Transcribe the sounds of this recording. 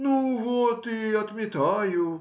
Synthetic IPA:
nuvot̪iɐt̪mʲɪt̪ajʊ

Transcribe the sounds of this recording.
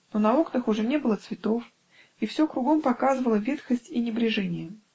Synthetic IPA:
nonɐo̞knəxʊʐɛnʲe̞bɨlˠət̪svʲɪt̪o̞f | ifsʲokɾʊɡo̞mpɐkazɨvəlˠəvʲet̪xəsʲtʲinʲɪbɾʲɪʐɛnʲɪjə

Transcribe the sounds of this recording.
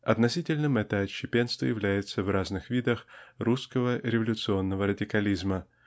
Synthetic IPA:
ɐ̰t̪nɐsʲitʲɪlʲnɨmɛt̪əɐɕːɪpʲe̞nst̪və̰jɪvlʲæjɪt̪səvraznɨxvʲid̪əxruskəvəɾʲɪvəlʲʊt̪sɨo̞nːəvəɾədʲɪkɐlʲizmə

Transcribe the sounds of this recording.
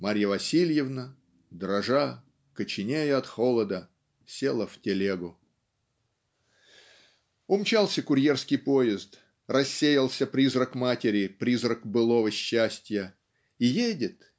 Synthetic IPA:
maɾʲjəvɐsʲilʲjɪvnə | d̪ɾɐʐa | kət͡ɕɪnʲejʊɐt̪xolˠəd̪ə | sʲelˠəftʲɪlʲeɡʊ | ʊmt͡ɕalˠsʲəkʊɾʲje̞rskʲɪjpojɪzt̪ | rɐsʲːejəlˠsʲəpɾʲizrəkmatʲɪɾʲɪpɾʲizrəkbɨlˠovəɕːæsʲtʲjə | ijedʲɪt̪

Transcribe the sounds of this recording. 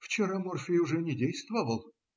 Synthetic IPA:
ft͡ɕɪɾamorfʲɪjʊʐɛnʲɪdʲejst̪vəvəlˠ

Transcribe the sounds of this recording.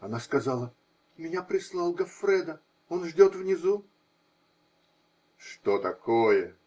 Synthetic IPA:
ɐnaskɐzɑlˠə | mʲɪnʲapɾʲɪslˠɑlˠɡɐfɾʲɛd̪ə | onʐdʲot̪vnʲɪzu | ʂt̪ot̪ɐkojə

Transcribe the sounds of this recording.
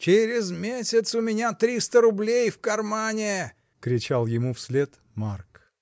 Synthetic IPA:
t͡ʃeɾʲɪzmʲesʲɪt̪sʊmʲɪnʲat̪ɾʲist̪əɾʊblʲejfkɐrmanʲɪ | kɾʲɪt͡ɕalˠjɪmufsʲlʲet̪ | mark

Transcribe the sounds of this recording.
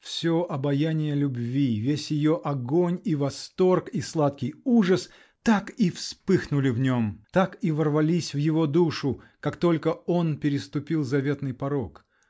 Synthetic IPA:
fsʲoʔɐbɐjanʲɪjəlʲʊbvʲivʲesʲjɪjo̞ʔɐɡo̞nʲivɐst̪o̞rkislˠat̪kʲɪjuʐəs | t̪akifspɨxnʊlʲɪvnʲo̞mt̪akivərvɐlʲisʲvjɪvo̞d̪uʂʊ | kakt̪o̞lʲkəo̞npʲɪɾʲɪst̪ʊpʲilˠzɐvʲe̞t̪nɨjpɐɾok

